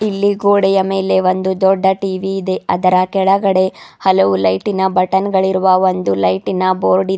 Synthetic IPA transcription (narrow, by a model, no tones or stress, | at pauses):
ilːiɡoːɽɛjɐme̞ːle̞ʋond̪ud̪ɔɖːɐʈiːʋiːd̪e̞ʔɐd̪ɐɾɐkɛɭɐɡɐɽe̞hɐlɐʋulɐjʈinɐbɐʈɐnɡɐɭiɾuʋɐʋond̪ulɐjʈinɐboːɾɖi